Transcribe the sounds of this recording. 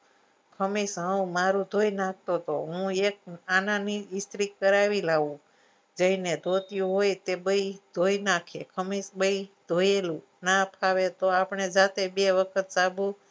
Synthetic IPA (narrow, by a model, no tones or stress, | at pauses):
kʰəmeʃɦəũmaɾũd̪ʱojnak̚ʰt̪ot̪ʰo̰ɦũek̚ananiɪst̪ɾikəɾaʋilaʋũ | d͡ʒəined̪ʱot̪ijũɦojt̪ebəid̪ʱojnakʰekʰəmeʃbəid̪ʱojelũ | napʰaʋet̪oapɳed͡ʒat̪ebeʋəkʰət̪̚sabũ